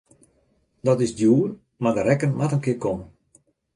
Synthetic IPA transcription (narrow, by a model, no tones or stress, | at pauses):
dɔtɪsdjuːn | madəɾɛkənmatənkɪəkomən